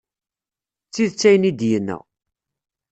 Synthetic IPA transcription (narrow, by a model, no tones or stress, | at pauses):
t͡sːiðt͡sːæjənid̪jənːə̰ʁ